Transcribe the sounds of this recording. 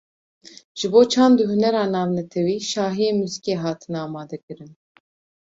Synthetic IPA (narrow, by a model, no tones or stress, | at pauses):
ʒ̥ɨboːt͡ʃʰɑːnd̪ɨɦunɛɾɑːnɑːvnɛt̪ʰɛwiːʃɑːɦijeːmyzi̥keːɦɑːt̪ʰɨnɑːmɑːd̪ɛkɨɾɨn